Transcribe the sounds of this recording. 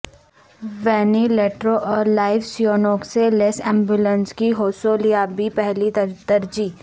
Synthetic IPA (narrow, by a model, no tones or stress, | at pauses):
ʋɛːnileːʈɾoʔɔːɾlaːɪʋsijoːnoːkselesɛ̃ːmbjʊlə̃nskiɦoːsoːlijabʱipɛɦlid̪ɐɾd͡ʒiː